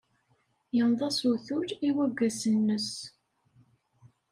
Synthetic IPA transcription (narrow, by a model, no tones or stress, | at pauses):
jənðˤɑsuθuɾiwæɡːæsənːəs